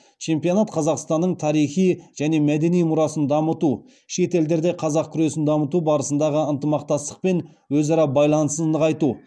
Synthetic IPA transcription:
t͡ʃʰe̞mpijo̞nɑt̪qʰɑzɑqst̪ɑnːəɴt̪ʰɑɾijχijʒ̥æne̞mæd̪e̞nijmʊɾɑsənd̪ɑmət̪u | ʃe̞t̪e̞ld̪e̞ɾd̪eqʰɑzɑq̚kʲʰʏɾe̞sɪnd̪ɑmət̪ubɑɾəsənd̪ɑʁəənt̪əmɑq̚t̪ɑst̪ə̥q̚pe̞n | wɵzɑɾɑbɑjlˠɑnəsəzəqɑjt̪u

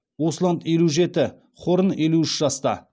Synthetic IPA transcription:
woslˠand̪je̞luʒe̞t̪ɪ | χʰo̞ɾənje̞luɪʃʒɑst̪ɑ̰

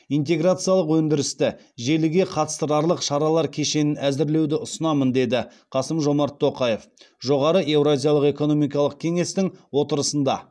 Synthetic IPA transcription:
ijnt̪e̞ɡɾat̪sɨjɑlˠəqwɵnd̪ɪɾɪst̪ɪ | ʒe̞lɪɡʲe̞qʰɑt̪ə̥st̪əɾɑɾlˠəqʃɑɾɑlˠɑɾkʲʰe̞ʃe̞nɪnæzɪɾle̞wd̪ɪʊsənɑmənd̪e̞d̪ɪ | qʰɑsəmʒo̞mɑɾt̪ʰːo̞qɑje̞f | ʒo̞ʁɑɾəʔe̞wɾazʲijalˠəqe̞ko̞no̞mijkɑlˠəq̚kʲʰe̞ŋe̞st̪ɪŋwo̞t̪əɾəsənd̪ɑ̰

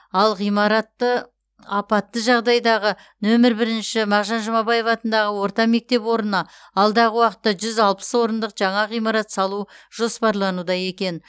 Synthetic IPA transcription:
ɑlˠʁijmɑɾɑt̪ːə | ɑpɑt̪ːəʒɑʁd̪ɑjd̪ɑʁə | nɵmɪɾbɪɾɪnʃɪmɑʁʒɑnʒʊmɑbɑje̞vɑt̪ənd̪ɑʁəwo̞ɾt̪ɑme̞k̚t̪e̞pwo̞ɾənɑ | ɑlˠd̪ɑʁəwɑqə̥t̪ːɑʒʏzɑlˠpə̥swo̞ɾənd̪əqʒɑɴɑʁijmɑɾɑt̪sɑlˠuʒ̥o̞spɑɾlˠɑnud̪ɑje̞kʲe̞n

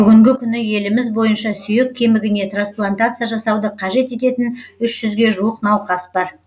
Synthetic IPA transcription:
b̥ʏɡʲɪŋɡʲɪkʲʰʏnɪje̞lɪmɪzbo̞jənʃɑsʏje̞k̚ʲʰːe̞mɪɡʲɪne̞t̪ransplˠant̪at̪sɨjaʒɑsɑwd̪əqʰɑʒe̞t̪e̞t̪e̞t̪ɪnʏʃʒ̥ʏzɡʲe̞ʒuwəqnɑwqɑsbɑɾ

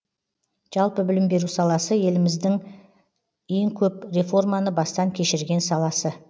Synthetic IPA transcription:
ʒ̥ɑlˠpəbɪlɪmbe̞ɾusɑlˠɑsəje̞lɪmɪzd̪ɪŋ | e̞ŋkʲʰɵpre̞fo̞rmɑnəbɑst̪ɑŋkʲʰe̞ʃɪɾɡʲe̞nsɑlˠɑsə

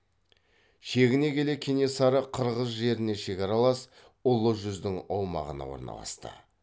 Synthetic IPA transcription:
ʃe̞ɡʲɪne̞kʲʰe̞le̞kʲʰene̞sɑɾəqʰəɾʁəz̬ʒe̞ɾɪne̞ʃe̞kʲɑɾɑlˠɑs | ʊlˠəʒʏzd̪ɪŋɑwmɑ̰ʁə̰nɑ̰wo̞̰ɾnɑ̰lˠɑ̰st̪ə̰

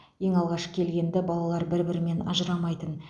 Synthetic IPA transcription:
je̞ŋɑlˠʁɑʃkʲʰe̞lɡʲe̞nd̪ɪbɑlˠɑlˠɑɾbɪɾbɪɾɪme̞nɑ̰ʒəɾɑmɑjt̪ən

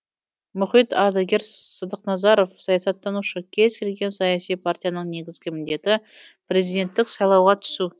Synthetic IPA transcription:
mʊχijt̪ɑd̪ɑɡʲe̞ɾsəd̪əqnɑzɑɾo̞fsɑjɑsɑt̪ːɑnuʃəkʲʰe̞zkʲʰe̞lɡʲe̞nsɑjɑsijpʰartʲijanəɴne̞ɡʲɪzɡʲɪmɪnd̪e̞t̪ɪpɾe̞zijd̪ʲe̞nt̪ːɪksɑjlˠɑwʁɑt̪ʰʏ̥su

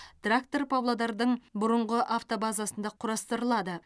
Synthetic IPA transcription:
t̪rak̚t̪orpʰablˠad̪ɑɾd̪əɴbʊɾəɴʁəʔaft̪o̞bazasənd̪ɑqʰʊɾɑst̪əɾəlˠɑd̪ə

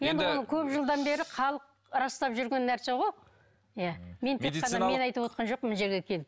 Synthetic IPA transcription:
je̞nd̪ɪwo̞nəkʲʰɵpʒəlˠd̪ɑnbe̞ɾɪχɑlˠəq̚ | ɾɑst̪ɑpʒʏɾɡʲe̞nːæɾse̞ʁo̞j | jame̞nt̪ʰeːɑnɑme̞nɑjt̪əpwo̞t̪qɑnʒo̞q̚mɪnʒe̞ɾɡʲe̞kʲʰe̞l

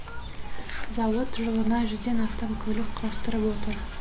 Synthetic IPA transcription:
zɑwˠət̪ʰʒəlˠənɑʒʏzd̪e̞nɑst̪ɑmkʲʰɵlɪkqʰɑlˠəst̪əɾəpwo̞t̪əɾ

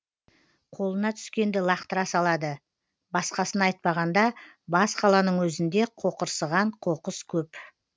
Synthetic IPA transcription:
qʰo̞lˠənɑt̪ʰʏ̥skʲe̞nd̪ɪlˠɑqt̪əɾɑsɑlˠɑd̪ə | bɑsqɑsənɑjt̪̚pɑʁɑnd̪ɑ | bɑsqʰɑlˠɑnəɴwɵzɪnd̪e̞qʰo̞qəɾsəʁɑɴqʰo̞qəskʲʰɵp

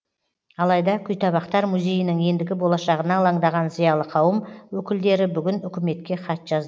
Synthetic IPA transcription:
ɑlˠɑjd̪ɑkʲʰʏjt̪ʰɑβɑqt̪ɑɾmuzʲe̞jɪnɪŋje̞nd̪ɪɡʲɪbo̞lˠɑʃɑʁənɑlˠɑɴd̪ɑʁɑnzijɑʁlˠəqʰɑwəmwɵkʲɪld̪e̞ɾɪbʏɡʲɪnʏkʲɪme̞t̪kʲe̞qɑt̪ʒ̥ɑzd̪ə

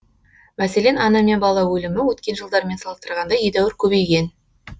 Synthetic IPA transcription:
mæse̞le̞nɑnɑme̞nbɑlˠɑwɵlɪmɪwɵt̪̚kʲe̞nʒəlˠd̪ɑɾme̞nsɑlˠəst̪əɾʁɑnd̪ɑjejd̪æwɪɾkʲʰɵbe̞jɡʲe̞n

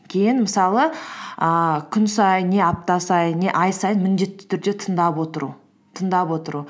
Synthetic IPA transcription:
kʲʰe̞jɪnməsɑlˠəəkʲʰʏnsɑjəe̞ɑp̚t̪ɑsɑjənːe̞ʔɑjsɑjənmɪnd̪e̞t̪ːɪ̥t̪ʰʏɾd̪e̞t̪ʰənd̪ɑpwo̞t̪əɾṵ | t̪ʰənd̪ɑpwo̞t̪əɾu

